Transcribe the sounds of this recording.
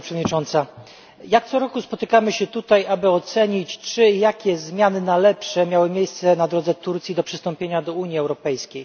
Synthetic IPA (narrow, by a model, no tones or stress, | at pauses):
pʂɛvɔd̪ɲit͡ʂɔnt̪sa | jak̚t̪sɔɾɔkuspɔt̪ɘkamɘɕɛt̪ut̪ajabɘɔt̪sɛɲit͡ɕt͡ʂɘjakʲɛzmʲjanɘnalɛpʂɛmʲjawɘmʲjejst̪sɛnad̪ɾɔd̪zɛt̪uɾt̪sʲjid̪ɔpʂɘst̪ɔmpʲjeɲad̪ɔuɲjiɛwɾɔpɛjskʲej